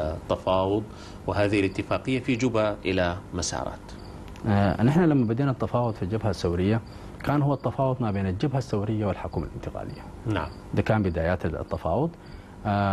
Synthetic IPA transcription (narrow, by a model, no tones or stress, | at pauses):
t̪ːɑfɑːwʊd̪ˤ | wɪhaːðɪhlɪt̪ːɪfaːqɪjːafid͡ʒʊbaʔɪlamasɑ̰ːɾˤɑ̰ːt̪ | nɪħnalamːabɪd̪eːnat̪ːɑfɑːwʊd̪ˤfild͡ʒɪbhasːawɾɪjːa | kaːnhʊwːat̪ːɑfɑːwʊd̪ˤmabeːnald͡ʒɪbhasːawɾɪjːawɪlħʊkuːma̰lɪ̰nt̪ɪɡa̰ːlɪ̰jːa | na | d̪akaːnbɪd̪aːjaːt̪t̪ːɑfɑːwʊd̪ˤ